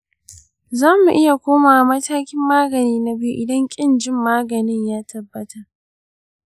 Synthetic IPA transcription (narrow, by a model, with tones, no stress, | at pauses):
zaː˦mu˨ʔɪ˦ja˨kʷoː˦maː˨mɐ˦taː˦kʲɪ˦mːaː˦ɡɐ˨niː˦na˦bi˦u˦˨ʔɪ˨dɐ˦ŋkʲʼɪ˦nd͡ʒɪ˦˨mːaː˦ɡɐ˨nɪ˦ɲjaː˦tʰɐ˨bːɐ˦ta˨ʔ